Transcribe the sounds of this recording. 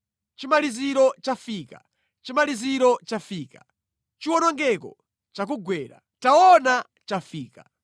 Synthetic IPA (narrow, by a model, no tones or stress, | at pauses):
t͡ʃimaliziɾɔt͡ʃafiːka | t͡ʃimaliziɾɔt͡ʃafiːkḁ | t͡ʃiwɔnɔŋɡɛkɔ̰ | t͡ʃak̬uɡwɛːɾa̰ | taɔna | t͡ʃafiːka